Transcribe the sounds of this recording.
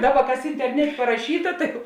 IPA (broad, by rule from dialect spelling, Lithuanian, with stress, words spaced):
ˈdɑːˌbɐ ˈkɐs ɪnʲtʲɛrʲˈnʲæːtʲeː pɐrɐˈʃʲiːtɐ ˈtɐɪ jɛʊ